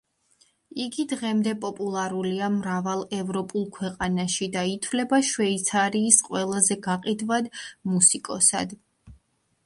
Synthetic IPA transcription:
iɡid̪ʁɛmd̪ɛpʼɔpʼulˠaɾuliamɾavalˠɛvɾɔpʼulˠkʰwɛqʼanaʃid̪ait̪ʰvlɛbaʃwɛit̪sʰaɾiːsqʼwɛlˠazɛɡaqʼid̪vad̪musikʼɔsa̰d̪

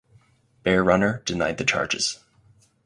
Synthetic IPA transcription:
b̥ɛɹɹʌnə˞d̥ɨnaɪd̪̚ðɨt͡ʃʰɑ̰ɹd͡ʒɨ̰z̥

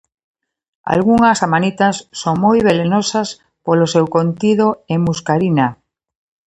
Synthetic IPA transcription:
a̰lɣuŋasamanit̪asːoŋmojβ̞elenosas | polosewkont̪iðoemuskaɾina

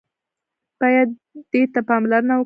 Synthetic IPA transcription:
b̥ɑjad̪ːet̪apɑmlaɾənawə

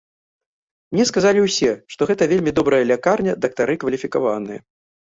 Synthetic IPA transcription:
mnʲɛskazalʲiwsʲɛʂt̪ɔɣɛt̪ɐvʲelʲmʲid̪ɔbɾɐjɐlʲakarnʲɐd̪ɐk̚t̪aɾɨkvɐlʲifʲikavanɨjɐ̰

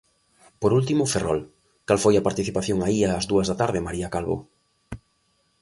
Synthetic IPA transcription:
poɾult̪imʊferɔl | kalfojɐpaɾt̪iθipaθjoŋaiaːzðuɐzðat̪aɾðɪmaɾiakalβo̰

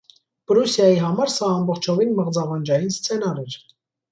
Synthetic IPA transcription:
b̥əɾusjɑjiɦɑmɑɾsɑːmbɔχt͡ʃʰɔvinməʁd͡zɑvɑnd͡ʒɑjinst͡sʰɛnɑɾɛɾ

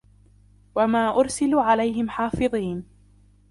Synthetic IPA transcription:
wamaːʔʊɾsɪluːʕalajhɪmħɑːfɨðˤiːn

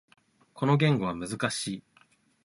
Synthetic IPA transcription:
kʰo̞no̞ɡʲẽ̞ŋɡo̞β̞amɯ̟zɨkaɕiː

